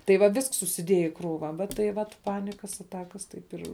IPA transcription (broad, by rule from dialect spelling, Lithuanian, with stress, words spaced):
tɐɪ ʋɐ ˈʋʲɪsks sʊsʲɪˈdʲiɛjɛ ɪ ˈkruːʋɐ ʋɐ tɐɪ ˈʋɐt ˈpɑːnʲɪkɐs ɐˈtɑːkɐs ˈtɐɪp ɪr